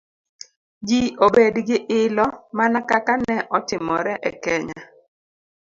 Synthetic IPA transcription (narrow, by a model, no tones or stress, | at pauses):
d͡ʒiobedɡɪʔɪlɔmanakakanɛʔɔtɪmɔɾɛʔɛ̰kɛɲa